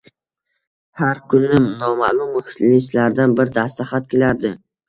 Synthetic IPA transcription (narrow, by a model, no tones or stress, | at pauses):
haɾkʰʊnːɪmnɒma̰ʔlˠʊmːʊkʲt̪lɪslaɾd̪anbɪɾd̪ast̪aχat̪̚kʲelaɾd̪ɪ